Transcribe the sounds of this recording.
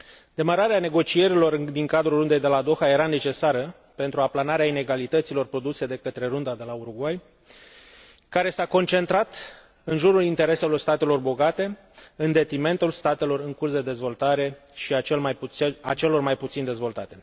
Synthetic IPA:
d̪e̞maɾaɾeane̞ɡo̞t͡ʃie̞ɾilo̞rd̪iŋkad̪ɾurɾund̪e̞jd̪e̞lad̪o̞xaje̞ɾane̞t͡ʃe̞saɾə | pe̞nt̪ɾuaplanaɾeaineɡalit̪ət̪silo̞rpɾo̞d̪use̞d̪e̞kət̪ɾe̞ɾund̪ad̪e̞lauɾuɡwaj | kaɾe̞sako̞nt͡ʃe̞nt̪ɾat̪ | ɨnʒuɾulint̪e̞ɾe̞se̞lo̞rst̪at̪e̞lo̞rbo̞ɡat̪e̞ | ɨnd̪e̞t̪ɾime̞nt̪ulst̪at̪e̞lo̞rɨŋkursd̪e̞d̪e̞zvo̞lt̪aɾe̞ | ʃiaelajpat͡ʃe̞lo̞rmajput̪sind̪e̞zvo̞lt̪at̪e̞

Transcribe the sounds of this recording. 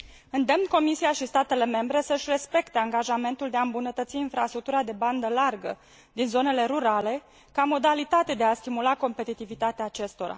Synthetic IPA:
ɨnd̪e̞mnko̞misiaʃist̪at̪e̞le̞me̞mbɾe̞səʃʲre̞spe̞kt̪e̞aŋɡaʒame̞nt̪uld̪e̞aɨmbunət̪ət̪siːnfɾast̪ɾukt̪uɾad̪e̞band̪əlarɡə̰ | d̪inzo̞ne̞le̞ɾuɾale̞ | kamo̞d̪alit̪at̪e̞d̪e̞ast̪imulako̞mpe̞t̪it̪ivit̪at̪eaːt͡ʃe̞st̪o̞ɾa̰

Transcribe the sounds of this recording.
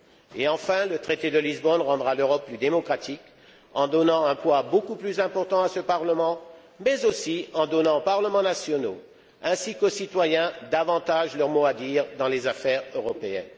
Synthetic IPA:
eɑ̃fɛ̃lət̪χet̪ed̪əlizbɔnʁɑ̃d̪ʁaløʁɔpːlyd̪emɔkχat̪ik | ɑ̃d̪ɔnɑ̃ɛ̃pwabokuplyzɛ̃pɔʁt̪ɑ̃asəpaʁləmɑ̃ | mɛzosiɑ̃d̪ɔnɑ̃opaʁləmɑ̃nasjɔno | ɛ̃sikosit̪wajɛ̃d̪avɑ̃t̪aʒlœʁmoad̪iːʁd̪ɑ̃lezafɛʁøʁɔpeɛ̰̃n

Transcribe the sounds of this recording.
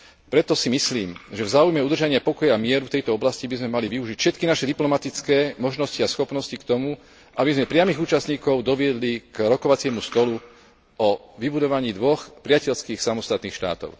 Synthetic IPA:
pɾɛt̪ɔsimisliːmʒɛvzaːujmɛud̪r̩ʒaɲɪapɔkɔjamɪɛɾuft̪ɛjt̪ɔɔblascibizmɛmaliʋiuʒicfʃɛt̪̚kinaʃɛd̪iplɔmat̪it͡skɛːmɔʒnɔsciasxɔpnɔscikt̪ɔmu | ʔabizmɛpɾɪamiːɣuːt͡ʃast̪ɲiːkɔʊd̪ɔʋɪɛd̪likɾɔkɔʋat͡sɪɛmust̪ɔlu | ɔʋibud̪ɔʋaɲiːd̪ʋɔxpɾɪacɛlskiːxsamɔst̪at̪niːxʃt̪a̰ːt̪ɔ̰ʊ

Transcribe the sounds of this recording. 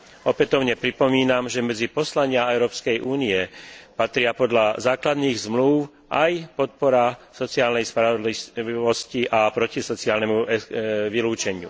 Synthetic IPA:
ɔpɛt̪ɔʊɲɛpɾipɔmiːnamʒɛmɛd͡zipɔslaɲɪaɛʊɾɔːpskɛjʔuːniɛpat̪ɾɪapɔd̪lazaːklad̪niːɣzmlu | ʔajpɔt̪̚pɔɾasɔt͡siaːlnɛjspɾaʋɔd̪liʋɔsciʔapɾɔcisɔt͡siaːlnɛmuʔɛʋiluːt͡ʃɛɲɪṵ

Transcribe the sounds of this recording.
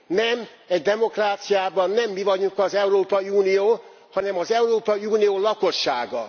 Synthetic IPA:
nɛm | ɛɟd̪ɛmo̞kraːt̪sijaːbɒnːɛmːivɒɟukɒzɛuɾoːpɒiuːnijoː | hɒnɛmɒzɛuɾoːpɒiuːnijoːlɒko̞ʃːa̰ːɡɒ̰

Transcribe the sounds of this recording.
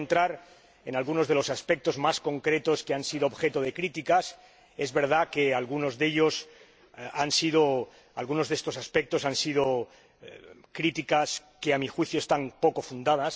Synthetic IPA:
nt̪ɾaɾ | enalɣuno̞zð̞e̞lo̞saspek̚t̪o̞zmasko̞ŋkɾe̞t̪o̞skeansiðoβbxe̞t̪oð̞e̞kɾit̪ikas | e̞zβe̞ɾð̞ake̞alɣuno̞zðe̞ʎos | ansið̞o | alɣuno̞zðest̪o̞saspek̚t̪o̞sansið̞o | kɾit̪ikaske̞amixwiθjoest̪ampo̞ko̞fund̪að̞as

